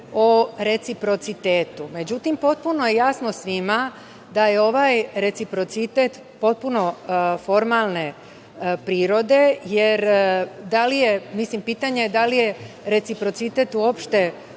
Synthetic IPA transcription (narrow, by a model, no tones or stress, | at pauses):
oɾe̞t̪sipɾo̞t̪sit̪eːt̪ume̞d͡ʑut̪impo̞t̪̚puno̞jejasnosʋima | d̪aje̞o̞ʋajɾe̞t̪sipɾo̞t̪sit̪e̞t̪ | po̞t̪̚puno̞fo̞ɾmalˠne | pɾiːɾo̞d̪e̞je̞ɾd̪alije̞mislimpiːt̪aɲe̞d̪alije̞ | ɾe̞t̪sipɾo̞t̪sit̪e̞t̪uo̞pʃt̪e̞